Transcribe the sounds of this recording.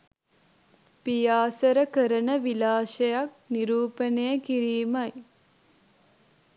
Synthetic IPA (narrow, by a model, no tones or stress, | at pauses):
pijaːsɐɾɐkɐɾɐnɐʋilaːʃɐjak̚niɾuːpɐnejɐkiɾiːmɐj